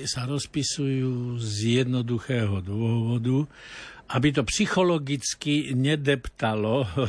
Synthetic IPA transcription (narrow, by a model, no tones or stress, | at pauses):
saɾɔspisujuːzjɛd̪nɔd̪uxɛːɦɔd̪ʋʊɔɦʋɔd̪u | ʔabit̪̬ɔpsixɔlɔɡit͡skiɲɛd̪ɛpt̪alɔ